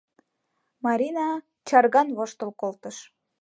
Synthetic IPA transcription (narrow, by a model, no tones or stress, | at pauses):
mɑɾʲinɑ | t͡ɕɑrɣɑnβoʃt̪ə̆lkolt̪əʃ